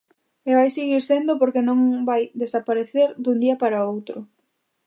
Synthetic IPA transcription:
eβajseɣiɾsend̪ʊpoɾkenõŋbajd̪esapaɾeθeɾd̪und̪iɐpaɾaowt̪ɾʊ

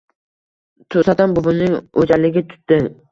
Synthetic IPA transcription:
t̪ʰʊsat̪anbʊbʊnɪŋod͡ʒalɪɡʲɪt̪ʰʊ̥t̪ːɪ

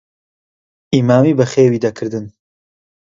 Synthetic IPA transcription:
ʔiːmaːmiːbɐχeːwiːd̪ɐkʰɨɾd̪ɨn

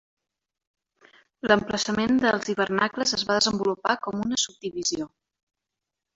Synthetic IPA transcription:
ləmpləsəmend̪əlˠziβ̞ərnakləzəzβaðəzəmbulupakɔmunəsub̚d̪iβizio

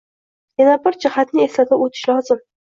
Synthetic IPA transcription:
janabɪɾd͡ʒɪhat̪nɪe̞slad̪aot̪ʰɪ̥ʃlɒzɪm

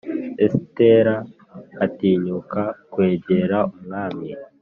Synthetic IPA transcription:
esteɾaː | tiːɲukakwe̞ːɟeɾaumŋaːmii

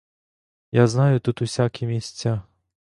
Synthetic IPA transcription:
jaznajʊt̪ut̪usʲakʲimʲisʲt͡sʲːa

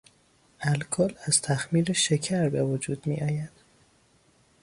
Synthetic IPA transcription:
ælkʰɒːlæz̥t̪ʰæxmiːɾeʃecʰæɾbevod͡ʒuːd̪̥mḭːʔɒːjæd̪̥

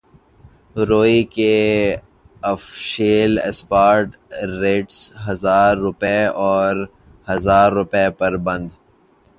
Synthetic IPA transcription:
ɾoːike | ɐfʃeːlḛspaːɾʈː | eːʈsɦɐzaːɾːʊpeɔːɾ | hɐzaːɾːʊpepɐɾbɐ̃nd̪

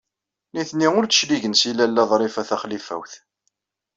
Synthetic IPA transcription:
niθniʊɾt͡sə̥ʃliʝənsilælːæðˤɾˤɪfæθæχlifæ̰wθ

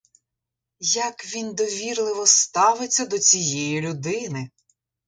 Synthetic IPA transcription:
jɐkʋʲind̪ɔʋʲirlˠɪʋɔst̪ɑʋɪt͡sʲːɐd̪ɔt͡sʲijɛjilʲʊd̪ɪnɪ

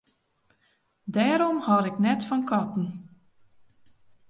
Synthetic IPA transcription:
dɛːɾɔmhɔlɪknɛtfɔnkʰɔtn̩

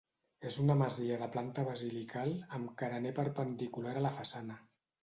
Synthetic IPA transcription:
ezunəməziəðəplant̪əβəzilikʰalˠəmkəɾənepəɾpənd̪ikulaɾələfəsanə

